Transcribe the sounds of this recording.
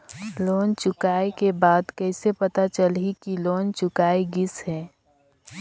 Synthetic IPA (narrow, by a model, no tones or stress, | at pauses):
loːnt͡ʃʊkaːekebaːd̪kɛɪsepɐt̪at͡ʃəlɦikiloːnt͡ʃʊkaːeɡɪsɦɛː